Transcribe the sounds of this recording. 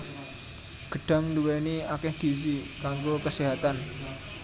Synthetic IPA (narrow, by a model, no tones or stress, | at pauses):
ɡ̥ə̤ɖ̥a̤mnduwɛniakɛhd̪̥i̤s̬i | kaŋɡokəsiɦat̪an